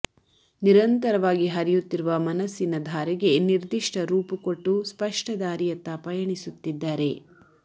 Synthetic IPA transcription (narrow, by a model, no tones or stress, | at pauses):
niɾɐnt̪ɐɾɐʋaːɡiɦɐɾijut̪ːiɾuʋɐmɐnɐsinɐd̪ʱaːɾɛɡe̞niɾd̪iʂʈɐɾuːpukoʈːuspɐʂʈɐd̪aːɾijɐt̪ːɐpɐjɐɳisut̪ːid̪ːaːɾe̞